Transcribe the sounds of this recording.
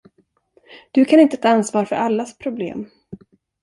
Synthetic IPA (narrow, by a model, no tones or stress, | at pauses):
d̪̥ɵkʰanɪnt̪ət̪ʰɑːansvɑːɾfœ̰ɾʔalːaspʰɾʊblḛːm